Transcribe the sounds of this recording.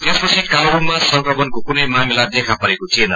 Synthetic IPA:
t̪espʌt͡sʰikaɾbunmasʌŋkrʌmʌnkokunʌjmamilad̪ekʰapʌɾekot͡sʰienʌ

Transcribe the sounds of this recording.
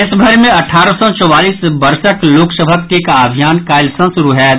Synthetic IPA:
ɪsbʱəɾmẽɐʈʰaːɾəsɔt͡ʃɔwaːliːsbɐɾʃəkloːksəbʱəkːekaːbʱijaːnkaːlsɐ̃sʊɾuɦɛː

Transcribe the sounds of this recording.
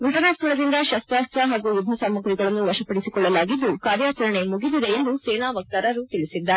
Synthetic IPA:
ɡʱɐʈɐnaːst̪ʰɐɭɐd̪ind̪ɐʃɐst̪ɾaːst̪ɾɐɦaːɡujub̪ʱːɐsaːmːɐkɾiɡɐɭɐnːuʋɐʃɐpɐɽisikɔɭːɐlaːɡid̪ːukaːɾjaːt͡ʃɐɾɐɳe̞muɡid̪id̪e̞end̪usɛːnaːʋɐk̚t̪aɾɐɾut̪iɭisid̪ːɐ

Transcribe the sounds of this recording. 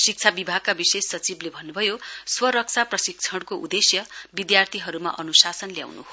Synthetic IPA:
sik̚t͡sʰabibʱaɡ̚kabisesːʌt͡siblebʱʌnːubʱʌjoswʌɾʌk̚t͡sʰaprʌsik̚t͡sʰʌɽkoʔud̪esjʌbid̪jart̪ʰiɦʌɾuma̰ʔʌnusasʌnlja̰wnṵɦo

